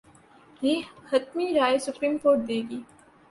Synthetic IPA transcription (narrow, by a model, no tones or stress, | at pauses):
jeːhɐt̪miɾaːesʊpɾiːmkoːɾʈ̚d̪eːɡiː